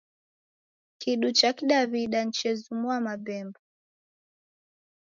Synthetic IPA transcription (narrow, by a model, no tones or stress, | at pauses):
kʰiɗut͡ʃakiɗaβiɗan̩t͡ʃɛzumwamabɛmba